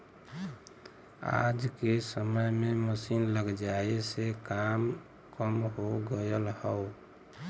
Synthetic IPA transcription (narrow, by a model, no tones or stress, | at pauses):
a̰d͡ʒkesəməjmeməsinləɡd͡ʒaesekam | kəmɦoɡəjəlhəʊ